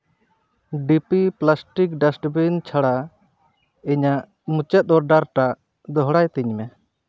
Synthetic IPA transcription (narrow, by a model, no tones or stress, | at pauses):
ɖipiplasʈik̚ɖasʈbint͡ʃʰaɽa | iɲaʔ | mut͡ʃɛt̪̚ˀɔɾɖaɾʈaʔ | d̪ɔɦɽajt̪iɲmɛ